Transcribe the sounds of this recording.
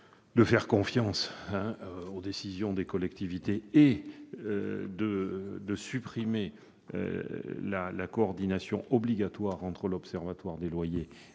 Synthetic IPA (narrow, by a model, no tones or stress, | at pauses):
d̪əfɛʁkɔ̃fjɑ̃sɛ̃od̪esizjɔ̃d̪ekɔlɛkt̪ivit̪ee | d̪əd̪əsypχime | ø̰lalakɔːʁd̪inasjɔ̃ʔɔbliɡat̪waʁɑ̃t̪χəlɔpsɛʁvat̪waʁd̪elwaje